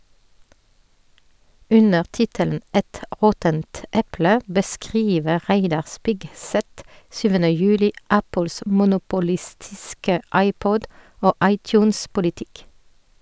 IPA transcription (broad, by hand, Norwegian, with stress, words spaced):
ˈʉnəʁ ˈtɪtəln̩ ˈɛt ˈʔʁɔtənt ˈʔɛplə bəˈskʁiːʋəʁ ˈʁæɪdɑʁ ˈspɪɡˌsɛt ˈsyːʋənə ˈjʉːlɪ ˈæpəls mʊnʊpʊˈlɪstɪskə ˈɑɪˌpɔd ˈoː ˈʔɑɪˌtjʉːnspʊlɪˌtɪk